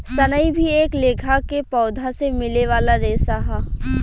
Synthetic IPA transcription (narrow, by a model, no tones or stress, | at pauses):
sənəibʱieːkleːkʰakepɔːd̪ʱasemɪleʋaːlaɾeːsaɦɛː